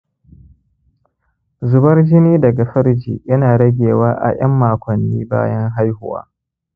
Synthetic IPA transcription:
zʊ˨bɐ˦rd͡ʒɪ˦niː˦dɐ˨ɡa˨ɸɐ˦ɽd͡ʒḭː˨jɐ˦naː˨ɽɐ˦ɡʲeː˨waː˦ʔa̰˨jɐ˦mːaː˨kʷɐ˨nːiː˦ba̰ː˦jɐ˦ŋɦa˦jhʊ˨wa̰ː˦

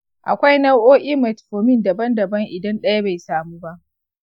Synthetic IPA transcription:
ʔa̰˨kʷa˦jnɐ˦wʔoː˦ʔʲʼiː˦mɐ˨tɸoː˨mɪ˦ndɐ˨bɐ˦ndɐ˨bɐ˦ŋʔɪ˨dɐ˦nɗɐ˦ja˦ba˨jsaː˨muː˦ba˦ʔ

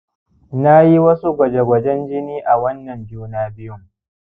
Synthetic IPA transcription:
na˦ji˦wɐ˦su˦ɡʷɐ˨d͡ʒe˨ɡʷɐ˨d͡ʒɛ˦nd͡ʒɪ˦niː˦ʔa˨wɐ˦nːɐ˨md͡ʒuː˦naː˦bɪ˦jʊ˦ŋ

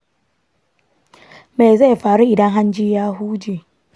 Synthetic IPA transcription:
me˨jza˦˨ɸaː˨ɾu˦ʔɪ˨dɐ˦ŋɦa˦nd͡ʒiː˦jaː˦ɦuː˦d͡ʒiː˨

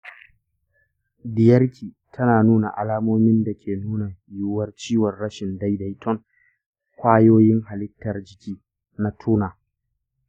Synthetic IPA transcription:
dɪ˨jɐ˦rkʲʰiː˨ | tʰɐ˦naː˨nuː˦na̰˨ʔa̰˨laː˦moː˦mɪ˦nda˨kʲʰeː˨nuː˦na˨jʊ˦wɐ˦rt͡ʃiː˦wɐ˨rɽɐ˦ʃɪ˨nda˦jda˦˨jtʰɔ˦ŋ | kʷaː˦joː˦jɪ˦ŋɦa˨lɪ˦tːɐ˨rd͡ʒɪ˦kʲiː˦ | na˨tʰuː˦naː˨

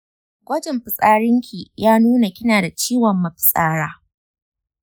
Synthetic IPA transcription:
ɡʷɐ˦d͡ʒɪ˨mɸɪ˨sʼaː˦ɽɪ˦ŋkʲʰi˨jaː˦nuː˦na˨kʲɪ˦naː˨da˨t͡ʃiː˦wɐ˨mːɐ˨ɸɪ̥˨sʼaː˦ɽaː˦

